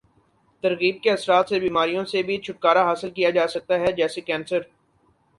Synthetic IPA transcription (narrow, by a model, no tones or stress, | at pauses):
t̪ɐɾɣiːb̚keɐsɾaːt̪sebiːmaːɾijõsebʱit͡ʃʰʊʈ̚kaːɾaɦaːsɪlkijad͡ʒaːsɐk̚t̪aɦɛd͡ʒɛːsekɛ̃ːnsəɾ